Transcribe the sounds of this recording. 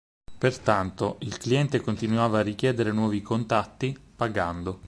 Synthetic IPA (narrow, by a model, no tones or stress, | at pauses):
pert̪ant̪oilkliɛnt̪ekont̪inwaːvaːrːik̟jɛːd̪eɾenwɔːvikont̪at̪ːipaɡand̪o